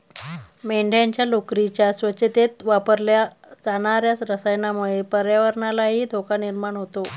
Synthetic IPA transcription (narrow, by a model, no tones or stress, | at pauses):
meɳɖʱjaɲt͡ɕjalokɾit͡ɕjasʋət͡ɕet̪et̪ʋapəɾlja | d͡zanaɾjat͡sɾəsajnamuɭepəɾjaʋəɾɳalaɦiːd̪ʱokaniɾmaɳɦot̪o